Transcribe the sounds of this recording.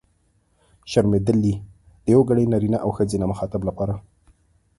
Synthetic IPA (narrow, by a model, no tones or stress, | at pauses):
ʃaɾmed̪ɪlːi | d̪̥əjawɡaɽəjnaɾinaʔawxəd͡zenaməxɑt̪ablapɑɾa